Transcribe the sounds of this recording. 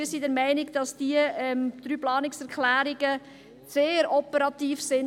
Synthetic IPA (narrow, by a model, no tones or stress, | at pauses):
isidɛɾmæɪnɪɡd̥ɑsd̥iəɛmd̥ɾyːplɑːnɪksɛɾʁkʰlæːɾɪɡə | seːɾɔpəɾɑtiːfsɪn